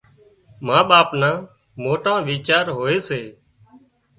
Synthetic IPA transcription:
mãːɓaːpnãː | moːʈãːʋiːt͡ʃaːɾɦoːeːseː

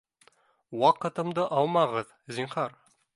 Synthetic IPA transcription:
wɑqɤ̆t̪ɤ̆md̪ɤʔɑlˠmɑʁɤð | zʲiɴχɑɾ

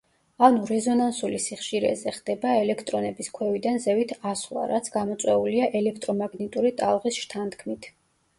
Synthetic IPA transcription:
anuɾɛzɔnansulisiχʃiɾɛ̰zɛχd̪̥ɛbaɛlɛkʰt̪ʼɾɔnɛbiskʰwɛvid̪anzɛvit̪ʰaslˠa̰ɾat̪sʰɡ̥amɔt̪sʼwɛuliaʔɛlɛkʰt̪ʼɾɔmaɡnɛt̪ʼuɾit̪ʼa̰lˠʁisʃt̪ʰant̪ʰkʰmit̪ʰ

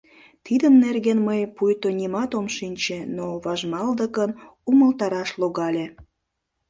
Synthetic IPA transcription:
t̪id̪əmnerɣenməjpujt̪onʲimɑt̪omʃinʲt͡ɕenoβɑʒmɑld̪əkənuməlt̪ɑɾɑʃloɣɑlʲe

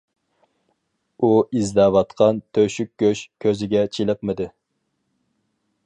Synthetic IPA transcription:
uizd̪ɛwɑt̪qʰɑnt̪ʰøʃyk̚ʲɡʲøʃkʲʰøzɪɡʲɛt͡ʃʰilˠɨqmɨd̪ɨ

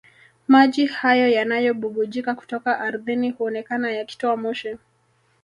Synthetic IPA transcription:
maʄihajɔjanajɔɓuɓuʄikaku̥tɔkaʔːɾðinihuɔnɛkanajaki̥tɔamɔʃɛ

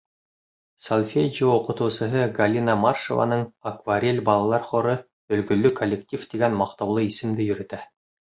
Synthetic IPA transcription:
solʲˠfʲed͡ʒioqɤ̆t̪ɤ̆wsɤ̆ɦɤɡɐlʲinamarʃo̰va̰nɤɴɐkvaɾʲelʲbɑlˠɑlˠɑɾχŏɾɤ | ɵ̆lɡɵ̆lːɵkʰolʲːek̚tʲift̪iɡænmɑq̚t̪ɑwlˠɤisɘ̆md̪ɘjɵ̆ɾɵ̆t̪æ

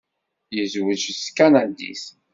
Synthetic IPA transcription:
jəzwəʒskanad̪ḭs

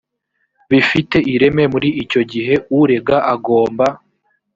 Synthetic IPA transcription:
βifite̞ʔiɾe̞me̞muɾiʔːco̞ɟiɦe̞uɾe̞ɡaʔaɡo̞ːmba

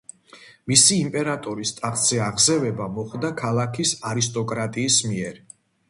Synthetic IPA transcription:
misiːmpʼɛɾat̪ʼɔɾist̪ʼaχzɛaʁzɛvɛbamɔχd̪akʰalˠakʰisaɾist̪ʼɔkʼɾat̪ʼiːsmiɛɾ

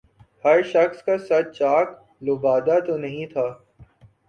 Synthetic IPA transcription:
hɐɾʃɐxskasɐt͡ʃaːk | loːbaːd̪at̪onɐɦĩt̪ʰaː

